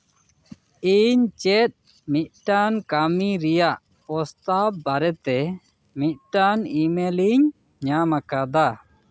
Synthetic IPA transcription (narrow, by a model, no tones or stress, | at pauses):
iɲt͡ʃɛt̪̚ | mit̪̚ʈankamiɾijaʔ | pɔst̪ap̚ːaɾɛt̪ɛ | mit̪̚ˀʈanimeliɲ | ɲamakad̪a